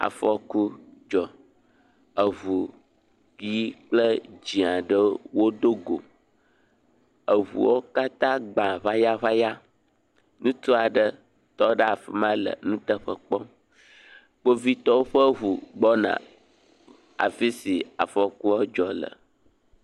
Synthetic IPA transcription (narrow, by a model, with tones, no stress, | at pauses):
a̰˨fɔ˨ku˦d͡ʒɔ˨ | ə˨βu˨ | ki˦˨i˦k͡plə˦d͡ʒi˨ã˨ɖə˦wo˦d̪o˦ɡo̰˨ | ə˨βṵ˨wo˦ka˦t̪ã˦ɡ͡bã˨βa˦ja˦βa˦ja˦ | nũ˦t̪u˦a˨ɖə˦ | t̪ɔ˦ɖə˦a˨fi˨mã˦lə̰˨nũ˦t̪ə˦ɸə˦k͡pɔ˦ | k͡po˦vi˦t̪ɔ˦wo˦ɸə˦ɦu˨ɡ͡bɔ˦nã̰˨ | a̰˨fi˦si˨a̰˨fɔ˨ku˦ə˦d͡ʒɔ˨lə̰˨